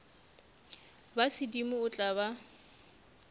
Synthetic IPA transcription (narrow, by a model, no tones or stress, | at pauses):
basɪdimʊʊt͡ɬʼaβa